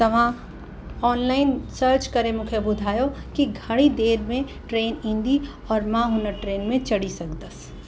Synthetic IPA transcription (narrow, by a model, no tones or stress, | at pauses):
t̪ɐʋ̤ã | ɔːnlaːɪnsəːɾt͡ʃkɐɾẽmʊkʰjəbʊd̪ʱaːjokiɡʱɐɽ̃id̪eːɾmẽ | ʈɾeːnĩːnd̪i | ɔːɾmãːɦʊnəʈɾeːnmẽt͡ʃɐɽisɐkd̪əs